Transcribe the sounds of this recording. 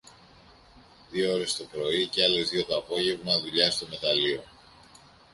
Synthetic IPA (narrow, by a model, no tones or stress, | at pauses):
ðioo̞ɾe̞st̪opɾo̞ice̞ɐle̞zðio̞t̪ɐːpo̞ʝe̞vmɐðuʎɐsi̥t̪o̞me̞t̪ɐlio̞